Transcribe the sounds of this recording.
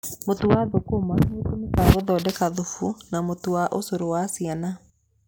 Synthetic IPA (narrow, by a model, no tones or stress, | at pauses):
motuwaðokomamotonekaɣoðɔdɛkaðufunamotuwaʔosoɾowasiana